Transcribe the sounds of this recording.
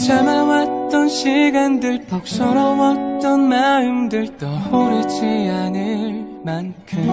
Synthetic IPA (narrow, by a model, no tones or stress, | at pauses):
t͡ɕʰamawat͈ʌnɕʰiɡandɯɭpʌk̚s͈ʌɾʌwʌt̚t͈ʌnmaɯmdɯɭt͈ʌoɾɯt͡ɕʰianɯɭmankʰɯm